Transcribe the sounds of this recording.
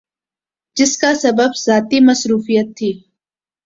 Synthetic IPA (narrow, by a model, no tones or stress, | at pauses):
d͡ʒɪskasɐbəbz̥aːt̪imɐsɾuːfijət̪ʰːiː